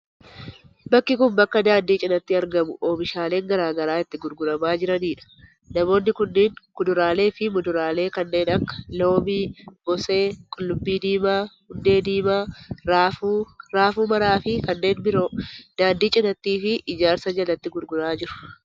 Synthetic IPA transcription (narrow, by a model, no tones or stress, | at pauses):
bɐkːɪkʊnbɐkːɐd̪aːnd̪iːt͡ʃʼɪnɐt̪ːiɐɾɡɐmʊʔoːbɪʃaːle̞ːŋɡɐɾaːɡɐɾaːɪt̪ːɪɡʊɾɡʊɾɐmaːd͡ʒɪɾɐniːᶑɐ̥ | nɐmo̞ːnːɪkʊnːɪːŋkʊd̪ʊɾaːle̞ːfɪmʊd̪ʊɾaːle̞ːkɐnːe̞ːnɐkːɐ̥lo̞ːmiːɡɔse̞ːkʼʊlːʊbːiːd̪iːmaːhʊnd̪e̞ːd̪iːmaːɾaːfuɾaːfuːmɐɾaːfɪkɐnːe̞ːnbɪɾo̞ːd̪̥aːnd̪iːt͡ʃʼɪnɐt̪ːiːfɪːd͡ʒaːɾsɐd͡ʒɐlɐt̪ːɪɡʊɾɡʊɾaːd͡ʒɪɾʊ̥